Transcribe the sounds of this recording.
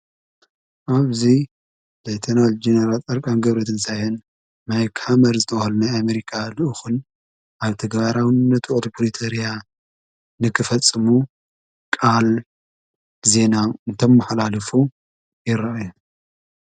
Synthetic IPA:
ʔaβzi | zejt̪ʰɐnald͡ʒenɐɾat͡sʼɐɾkʼanɡɐβɾɐt̪ʰɨnsajɨn | majkhamɐɾzɨt̪ʰɐwhɐlunajameɾikʰalɨʔɨxɨn | ʔaβt̪ʰɐɡβaɾawnnːɐt̪ʰuʔot̪upɾit̪ʰoɾija | nɨkʰɨfɐt͡sʼːɨmu | kʼal | ze̞naɨnt̪ʰɐmːɐħlalɐfu | jɪɾɐʔju

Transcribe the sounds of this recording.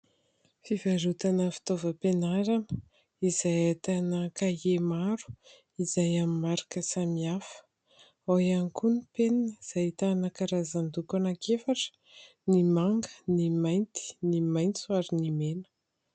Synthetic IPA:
fivaɾut̪anəfi̥t̪ovəpenaɾan | izajat̪anəkajemaɾu̥ | izajamimaɾḁkəsamiafə̥ | ajanikunipeniniz̥ajt̪anəkaɾazand̪ukanakʰefaʈ͡ʂə̥ | nimaŋɡənimajnt̪i̥nimajnt͡suaɾinimenə̥

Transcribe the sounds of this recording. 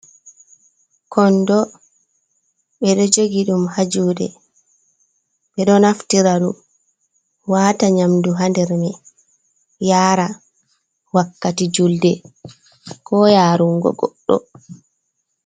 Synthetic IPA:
kɔndɔ | ɓɛɗɔd͡ʒoɡiɗumhad͡ʒuːɗɛ̰ | ɓɛɗɔnaftiɾaɗum | waːtaɲamduɦandɛɾmɛ | jaːɾa | wakːatid͡ʒuldɛ | kɔːjaːɾuŋɡɔ̰ɡɔɗːɔ̰

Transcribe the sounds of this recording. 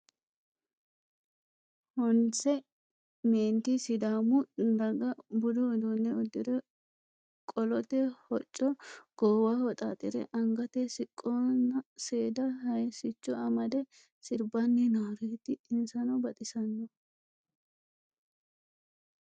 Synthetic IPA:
hɔnt͡sɛ | meːnt̪ɪsɪd̪aːmʊnɐɡɐbʊd̪ɔːd̪ɔnːɛʊd̪ːɪd̪ɛ | kʼɔlɔt̪ɛhɔt͡ʃʼːɔɡ̥ɔːwaːhɔt̪ʼa̰ːt̪ʼɪɾɛ̰ʔɐŋɡɐt̪ɛsɪkʼːonːɐseːd̪ɐɦɐjsɪt͡ʃːɔɐmɐd̪ɛ | sɪɾbɐnːɛnaːɾeːt̪ːɪɪnsɐnɔbɐt̪ʼɪsɐnːɔ

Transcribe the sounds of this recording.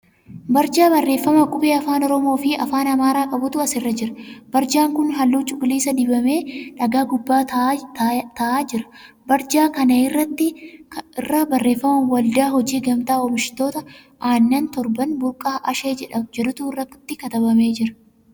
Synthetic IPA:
bɐɾd͡ʒaːbɐrːe̞ːfːɐmɐkʼʊbe̞ːɐfaːnɔɾɔmo̞ːfɪɐ̰faːnɐmaːɾaːkʼɐbʊt̪ʊɐsɪrːɐd͡ʒɪɾɐb̥ɐɾd͡ʒaːŋkʊnɦɐlːuːt͡ʃʼʊkʼliːsɐd̪ɪbɐme̞ːᶑɐɡaːɡʊbːaːt̪t̪ɐaːd͡ʒɪɾɐ̥ | bɐɾd͡ʒaːkɐnɐɪrːɐt̪ːɪɪrːaːbɐrːe̞ːfːɐmɐnwɐld̪aːɦɔd͡ʒiːɡɐmt̪aːɔmɪʃɪ̥t̪o̞ːt̪ɐ | ʔaːnːɐnt̪ɔɾbɐnbʊɾkʼaːʔɐʃe̞ːd͡ʒɛᶑɐmd͡ʒɛᶑʊt̪uːrːɐkt̪ːɪkɐt̪ɐbɐme̞ːd͡ʒɪɾɐ̥

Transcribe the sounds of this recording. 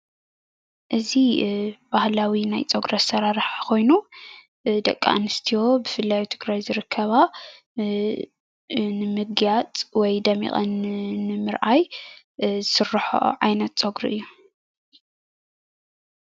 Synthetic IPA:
ʔɨzib̥ahlawinajt͡sʼoɡɾɐsɐɾaɾɨħkʰo̞jnu | d̪ɐkʼːa̰ʔnɨst̪ʰijo̞bɨfɨlːajut̪ʰɨɡɾajzɨɾɨkʰːɐβa | nɨmɨɡjat͡sʼwɔjd̪ɐmḭχʼɐ̰nnɨmɨɾʔaj | zɨsɨrːħo̰ʔʕajnɐt̪̚t͡sʼoɡɾiʔɨjːu

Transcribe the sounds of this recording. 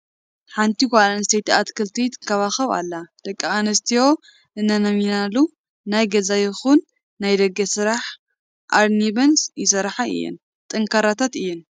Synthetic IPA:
ħant̪ʰikʷalanst̪ʰejt̪ʰiat̪kʰɨlt̪ʰit̪ʰɨkʰːɐβaxɐβa̰lːad̪̥ɐkʼːaanɐst̪ʰijo̞ | ɨnːɐnɐminalːu | najɡɐzajɪxunː | ajd̪ɐɡːɐsɨɾaħ | ʔaɾnibɐnsjɪsɐɾħaɨ̰jːɪ̰n | t̪ʼɨŋkʰɐɾat̪ʰat̪ɨjːɪn

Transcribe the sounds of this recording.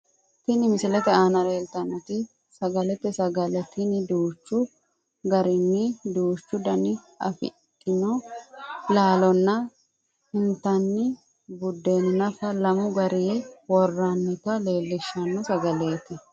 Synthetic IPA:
t̪ɪnɪmɪsɪlɛt̪ɛaːnɐleːlt̪ɐnɔt̪ɪ | sɐɡɐlɛt̪ːɛsɐɡɐlɛt̪ːɪnɪd̪uːt͡ʃːʊ | ɡɐɾɪnːɪd̪uːt͡ʃːʊd̪ɐnɪ | ɐ̰fɪ̰t̪ʼːɪnɔ | laːlɔnːɐ | ɪnt̪ɐnːɪ | bʊd̪ːeːnɪnɐfɐlɐmʊɡɐɾiwɔrːɐnːɪt̪ɐle̞ːlːɪʃːɐnːɔsɐɡɐle̞ːt̪ɪ

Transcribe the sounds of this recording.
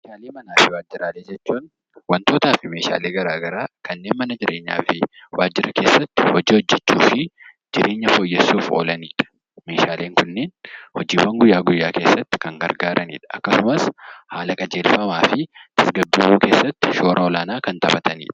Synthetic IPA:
meːʃaːleːmɐnaːfɪwaːd͡ʒːɪɾaːleːd͡ʒɛt͡ʃːuːn | wɐnt̪o̞ːt̪aːfɪme̞ːʃa̰ːleːɡɐɾaːɡɐɾaːkɐnːe̞ːnmɐnɐd͡ʒɪɾʔe̞ːɲːa̰ːfɪwaːd͡ʒːɪɾɐke̞ːsːɐt̪ːɪ̥hɔd͡ʒiːhɔd͡ʒːɛt͡ʃːṵːfɪ | d͡ʒɪɾʔe̞ːɲːɐfoːjːɛsːuːfo̞̰ːlɐniːᶑɐ̥ | me̞ːʃaːle̞ːŋkʊnːeːnhɔd͡ʒiːwɐŋɡʊjːaːɡʊjːaːke̞ːsːɐt̪ːɪ̥kɐŋɡɐɾɡaːɾʔɐnḭːᶑɐʔɐ̰kːɐsʊmɐshaːlɐkʼɐd͡ʒe̞ːlfɐmaːfɪt̪ɐsɡɐbːɪmuːke̞ːsːɐt̪ːɪ̥ʃo̞ːɾʔɐɔlaːnaːkɐnt̪ɐbɐt̪ɐnḭːᶑɐ̥

